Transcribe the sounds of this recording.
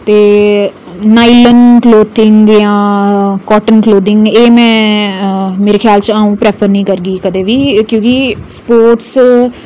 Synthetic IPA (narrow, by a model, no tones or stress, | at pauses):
t̪eː | naːilənkloːt̪ɪŋɡjãːkɔːʈənkloːd̪ɪŋɡeːmɛ̃ː | meːɾeːxʰjaːlt͡ʃaːũːpɾɛːpʰəɾnĩːkəɾɡiːkəd̪eːʋiːkjõːkispoːɾʈs